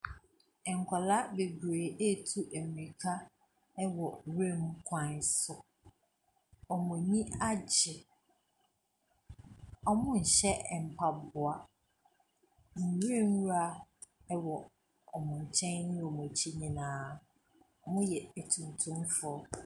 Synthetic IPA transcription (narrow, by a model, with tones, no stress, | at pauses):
ɛ˨ŋ̩˨kʰʷa˨la˦be˨bɾeː˨e˦tʰu˦ʔe˨m˨ɾi˨kʰa˦ | ɛ˦wɔ˨wẽ˦m˦kʰã˨n˨sʊ˦ | ɔ˨mʊ̃˨ɲĩ˦a˦d͡ʑɪ˨ | ɔ˨mʊ̃˦n̩˨ɕɛ˦˨m̩˨pʰa˨bʊ˨a˨ | mʊ̃˨ɾẽ˦˨m˦wa˦ | ɛ˦wɔ˨ | ɔ˨mʊ̃˨ɲ̩˨t͡ɕʰɛ̃˦n˦nʊ̃˦wɔ˨mʊ̃˨t͡ɕʰi˦ɲĩ˨nãː˨˦ | ɔ˨mʊ̃˦jɛ˨æ˨tʰũ˨n˨tʰũ˦mfʊ˦ɔ˨